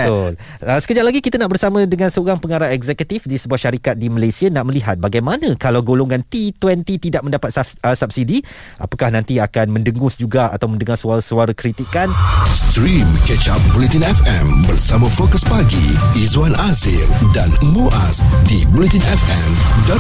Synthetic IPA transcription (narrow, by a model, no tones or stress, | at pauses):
ʊl | əsə̥kəd͡ʒaʔlaɡikit̪anaʔbərsamə̃dəŋãnsəoɾaŋpəŋaɾaɛɡzɛkət̪ifdisəbuahʃaɾikat̪̚diməlasianaʔməliɦat̪̚baɡajmanə̃kalawɡoloŋãnt̪it̪wɛnt̪it̪idaʔ̚məndapat̪̚əsap̚sidi | ʔa̰pakahnãnt̪iakanmə̃ndəŋʊsd͡ʒuɡaa̰t̪awmə̃ndəŋarsaɾsuaɾakɾit̪ikanst̪ɾimkɛt͡ʃabulit̪ĩnɛfɛ̃mbərsamãfokəsbaɡḭizuanazɪ̰ldanəmuʔasdibulit̪ĩnɛfɛmd